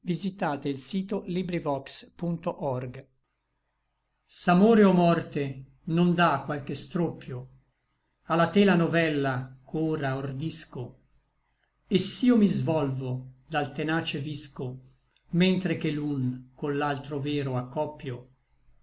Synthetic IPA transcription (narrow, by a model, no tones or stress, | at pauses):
vizit̪aːt̪eilsiːt̪olibɾivɔkspunt̪oʔɔrɡ | samoːɾeɔmɔrt̪e | nond̪akːwalkest̪ɾopːjo | alat̪ɛːlanovɛlːakʰoːɾaord̪isko | esːiːomizvɔlvod̪alt̪enaːt͡ʃevisko | mɛnt̪ɾek̟elunkonːalt̪ɾovɛːɾoakːɔpːjo